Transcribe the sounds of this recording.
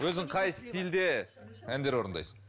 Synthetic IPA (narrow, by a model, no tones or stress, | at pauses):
wɵzɪŋqʰɑjst̪ʲild̪e | ænd̪e̞ɾwo̞ɾənd̪ɑ̰jsə̥ɴ